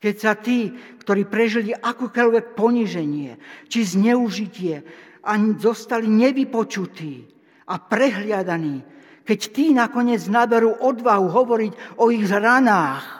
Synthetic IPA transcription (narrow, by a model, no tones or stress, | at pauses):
kɛcsat̪iːkt̪ɔɾiːpɾɛʒiliʔakɔkɔʎʋɛk̚pɔɲiʒɛɲɪɛt͡ʃizɲɛuʒicɪɛ | ʔaɲizɔst̪aliɲɛʋipɔt͡ʃut̪iː | apɾɛɦlɪad̪aniː | kɛct̪iːnakɔɲɪɛd͡znabɛɾuːʔɔd̪ʋaɦuɦɔʋɔɾicɔiɣzɾanaːx